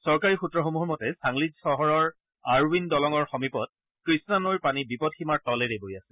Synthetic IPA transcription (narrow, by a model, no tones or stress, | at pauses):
sɔɹkaɹixutɹɔxomuɦɔɹmɔtɛsaŋlid͡ʒsɔɦɔɹɔɹ | aɹwindɔlɔŋɔɹxɔmipɔt̚ | kɹisnanojpanibipɔtximaɹtɔlɛɹebojasɛ̥